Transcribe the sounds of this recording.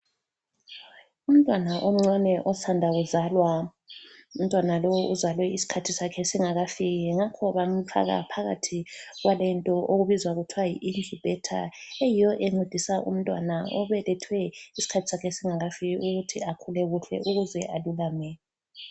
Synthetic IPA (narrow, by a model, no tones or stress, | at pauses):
um̩tʼwanaʔom̩ŋ͡ǀwanɛʔɔsandʱaɣuzalwa | um̩tʼwanalowɔʔuzalwɛisi̥kʰatʰisakʰɛsiŋaɣafiɣɛŋakʰɔβam̩fa̰ɣa̰pʰaɣatʰiɣwalɛntʼɔʔoɣuβizwaɣutʰiwajḭʔind͡ɮʱib̥ʱɛtʰa̰ejijɔʔɛŋ͡ǀed̥ʱisaʔṵm̩tʼwa̰naɔβɛlɛtʰwɛisi̥kʰatʰi̥sakʰɛsiŋaɣafiɣɛʔuɣutʰiakʰulɛɣuɬɛ̰ʔuɣuzɛʔalulaːmɛ